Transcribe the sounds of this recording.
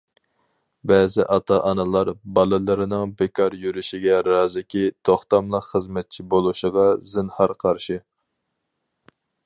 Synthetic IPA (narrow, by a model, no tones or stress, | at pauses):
bɛːzɪʔɑt̪ʰɑʔɑnɨlˠɑɾbɑlˠɨlˠɨɾɨnɨŋbekʰɑɾjyɾyʃiɡʲɛɾɑːzɪkʲit̪ʰoχt̪ɑmlˠəqχəzmɛt̪̚t͡ʃʰibolˠuʃəʁɑzɪnhɑɾqʰɑɾʃɪ